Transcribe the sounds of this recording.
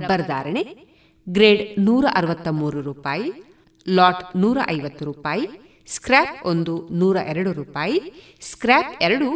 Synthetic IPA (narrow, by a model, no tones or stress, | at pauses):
bːɐɾd̪a̰ːɾɐɳe | ɡɾeːɖnuːɾɐʔɐɾʋɐt̪ːɐmuːɾuɾuːpaːji | laːʈnuːɾɐ̰ʔɐjʋɐt̪ːuɾuːpaːji | skɾaːpond̪unuːɾɐʔɛɾɐɽuɾuːpaːji | skɾaːpɛɾɐɽu